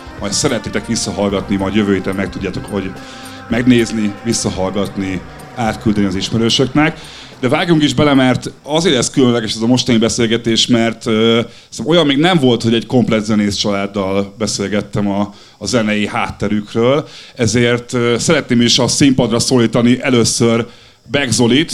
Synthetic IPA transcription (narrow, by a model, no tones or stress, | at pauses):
mɒjt̪sɛɾɛt̪neːt̪ɛkʋisːɒɦɒlɡɒt̪nimɒjd̪jøvøːjeːt̪ɛmːɛkt̪uɟːaːt̪o̞khoɟ | mɛɡneːznivisːɒɦɒlɡɒt̪ni | aːt̪kyld̪ɛniɒziʃmɛɾøːʃø̞knɛk | d̪ɛvaːɡjuŋkiʒbɛlɛmɛrt̪ɒzeːɾɛskylønlɛɡɛʃɛzɒmo̞ʃt̪ɒnibɛseːlɡɛt̪eːʃmɛrt̪ø | smo̞jɒmːeːɡnɛɱvo̞lt̪ho̞ɟɛɟko̞mplɛd̪zɛneːst͡ʃɒlaːd̪ːɒlbɛseːlɡɛt̪ːɛmɒː | zɛnɛjihaːt̪ːɛɾykrøːlɛzeːrt̪øsɛɾɛt̪neːmiʃɒsimpɒd̪rɒsoːliːt̪ɒniʔɛløːsːør | bɛɡzo̞lit̪